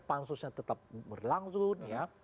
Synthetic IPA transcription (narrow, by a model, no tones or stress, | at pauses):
pansusɲat̪ət̪ap̚bərlaŋsʊnja